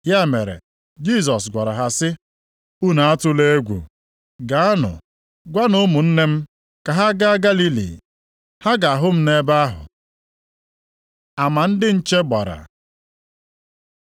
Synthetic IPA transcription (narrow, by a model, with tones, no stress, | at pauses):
ja˦me˨ɾḛ˨ | d͡ʒi˦˨s̬ɔ˨sɡʷa˨ɾa˨ɦa˨sɪ˦ | u˦na˨a˦tʊ˦le˦e˦ɡʷṵ˨ | ɡa˨a˦nʊ̰˨ | ɡʷa˦no˦mʊ˨n̩˦ne˦m̩˦ | ka˨ɦa˦ɡa˦ɡa˦li˦lḭ˨ | ha˦ɡa˨a˨ɦʊ˦m̩˦ne˦ba˦a˦ɦʊ̰˨ | a˨ma˨n̩˦dɪ˦n̩˦t͡ʃe˦ɡ͡ba̰˨ɾa̰˨